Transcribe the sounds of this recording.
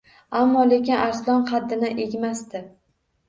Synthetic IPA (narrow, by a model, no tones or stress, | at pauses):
amːɒle̞kʲɪnaɾslˠɒnqʰɑd̪ːɪnaʔeɡʲmast̪ɪ